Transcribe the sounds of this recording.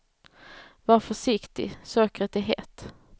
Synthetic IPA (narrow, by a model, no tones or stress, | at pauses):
vɑːɾfœʂɪkt̪ɪ̰søːkɾət̪ɪɦḛːt̪